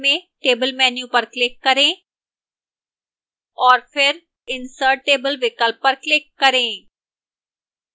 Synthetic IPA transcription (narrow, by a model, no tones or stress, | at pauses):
mẽʈeːbəlmɛːnjupɐɾklɪkːɐɾẽː | ɔːɾfʰɪɾ | ɪnsəːʈeːbəlʋɪkəlp̚ːɐɾklɪkːɐɾẽː